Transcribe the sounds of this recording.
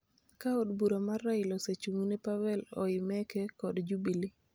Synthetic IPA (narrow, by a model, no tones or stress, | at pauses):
kaodbuɾamarːaɪlɔset͡ʃuŋnɛpawɛlɔ̰ɪmɛkɛkɔdd͡ʒubili